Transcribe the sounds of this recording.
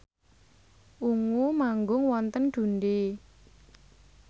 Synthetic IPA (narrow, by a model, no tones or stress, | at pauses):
ʔuŋumaŋɡʊŋwɔnt̪ənɖ̪̥ṳnde